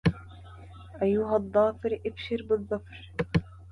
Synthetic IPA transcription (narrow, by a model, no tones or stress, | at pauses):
ʔajːʊɦaðˤːɑːfɪɾʔɪbʃɪɾbɨðˤːɑfɾ